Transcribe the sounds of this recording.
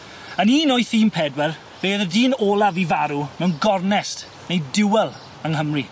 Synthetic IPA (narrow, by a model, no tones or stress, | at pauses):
əniːnojθiːmpʰɛdwɛr | v̥eːðədiːnoːlˠavivaɾumɛwnɡɔrnɛst | nejdɪwɛlˠ | əŋɦəmri